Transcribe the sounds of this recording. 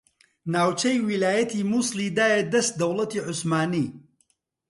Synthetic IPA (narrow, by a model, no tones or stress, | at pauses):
naːwt͡ʃɐjwilaːjɐt̪ʰimuslid̪aːjed̪ɐst̪̚d̪ɐwlɐt̪iːʕʊsmaːniː